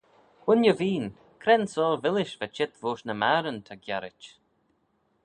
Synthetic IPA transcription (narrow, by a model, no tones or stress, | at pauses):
ʊnjəviːn | kʰɾɛnsɔːlvɪlɪʃvɛt͡ʃɪt̪voːʃnəmaɾənt̪ʰaɡjaɾɪt͡ʃ